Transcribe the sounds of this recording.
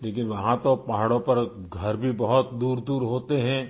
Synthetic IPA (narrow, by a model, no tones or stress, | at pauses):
leːkɪnʋɐɦãt̪opaɦɽõpɐɾɡʱɐɾbʱibɐɦʊt̪̚d̪uːɾd̪uːɾɦoːt̪eɦɛ̃